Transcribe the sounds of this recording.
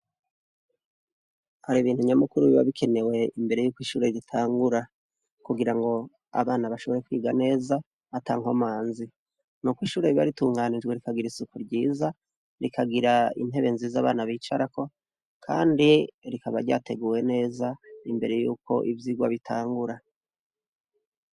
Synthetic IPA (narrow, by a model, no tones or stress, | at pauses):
haɾiβiːnhuɲamukuɾuβiβa̰βikʰe̞ne̞we̞imbe̞ɾe̞juːkwiːʃuːɾeizitʰaːŋɡuɾa | kuɡiɾaŋɡo̞ | a̰βaːnaβaʃo̞βo̞ɾe̞kwiːɡane̞ːza | ataːŋ̥homaːnzi | nukwiːʃuːɾeβiβa̰ɾituːŋɡanid͡ʒwe̞ɾikaɡiɾisukuɾɟiːza | ɾikaɡiɾaḭn̥e̞βe̞nziːzaːβaːnaβiːt͡ʃaɾako̞ | kʰa̰ːndiɾikaβaɾɟa̰ːte̞ɡuːwe̞ne̞ːzaimbe̞ɾe̞juːko̞̰ʔivjiɡwaβitʰaːŋɡuɾa